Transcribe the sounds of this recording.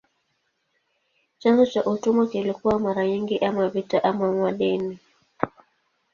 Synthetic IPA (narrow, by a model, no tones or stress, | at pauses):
t͡ʃanzɔt͡ʃaʔutumakilikuwamaɾaɲiŋɡiʔamavitaʔamamwaɗɛni